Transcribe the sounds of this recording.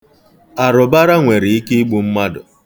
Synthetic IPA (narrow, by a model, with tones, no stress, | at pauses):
a˨ɾʊ˨ba˦ɾa˦ŋʷe˨ɾɪ˨i˦ke˦i˦ɡ͡bu˨m̩˦ma˦dʊ̰˨